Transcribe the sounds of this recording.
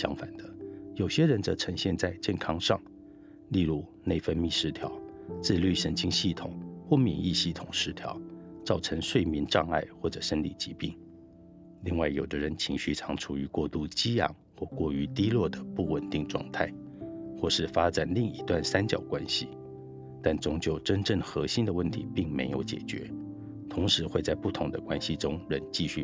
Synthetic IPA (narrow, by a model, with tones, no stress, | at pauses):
ɕjɑ˥ŋfa̰˨˩nd̪ə˦jo˨˩ʊɕjɛ˥ɻə˧˦nt͡sɤ˧˥ʈ͡ʂʰə˧˥ŋɕjɛ˥˧nt͡sa˥˧ɪt͡ɕjɛ˥˩nkʰɑ˥ŋʂɑ̰˥˩ŋ | li˥˧lu˥˩ne˥˩ɪfə˥nmi˥˩ʂɻ̩˥˩t̪ʰjɑ˧˥ʊt͡sɹ̩˥˧ly˥˩ʂə˧˥nt͡ɕi˥ŋɕi˥˩t̪ʰʊ̰˨˩˦ŋxwɔ˥˩mḭ˨˩ni˥˧ɕi˥˩t̪ʰʊ˨˩ŋʂɻ̩˧˥t̪ʰjɑ̰˧˥˦ʊt͡sɑ˥˩ʊʈ͡ʂʰə˧˥ŋʂwe˥˩ɪmi˧˥nʈ͡ʂɑ˥˧ŋa˥˧ɪxwɔ˥˩ʈ͡ʂɤ˨˩ʂə˥nlḭ˨˩t͡ɕi˧˥pi˥˩ŋ | li˥˧ŋwa˥˩ɪjo˨˩ʊd̪ə˦ɻə˧˦nt͡ɕʰi˧˥ŋɕy˥˩ʈ͡ʂʰɑ˧˥ŋʈ͡ʂʰu˨˩y˧˥kwɔ˥˧t̪u˥˩t͡ɕi˥jɑ̰˨˥ŋxwɔ˥˧kwɔ˥˩y˧˥t̪i˥lwɔ˥˩d̪ə˩pu˥˩wə˨˩nt̪i˥˧ŋʈ͡ʂwɑ̰˥˧ŋt̪ʰa˥˩ɪ | xwɔ˥˧ʂɻ̩˥˩fa˥ʈ͡ʂa˨˩nli˥˩ŋi˧˥t̪wa˥˩nsa˥nt͡ɕjɑ̰˨˩ʊkwa˥nɕi˨ | t̪a˥˩nt͡sʊ˧˥ŋt͡ɕjo˥˩ʊʈ͡ʂə˥nʈ͡ʂə˥˩ŋxɤ˧˥ɕi˥nd̪ə˨wə˥˩nt̪ʰḭ˧˥pi˥˩ŋme˧˥ɪjo˨˧˥ʊt͡ɕjɛ̰˨˩t͡ɕɥɛ̰˧˥˦ | t̪ʰʊ˧˥ŋʂɻ̩˧˥xwe˥˧ɪt͡sa˥˧ɪpu˥˩t̪ʰʊ˧˥ŋd̪ə˧kwa˥nɕi˨ʈ͡ʂʊ˥ŋɻə˧˥nt͡ɕi˥˧ɕy˥˩